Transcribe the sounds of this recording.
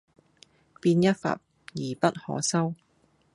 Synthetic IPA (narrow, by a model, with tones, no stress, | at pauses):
piː˧njɐ˥t̚fɐ̰˨p̚ | jiː˨˩pɐ˥t̚hɔ̰ː˨˥sɐ˥w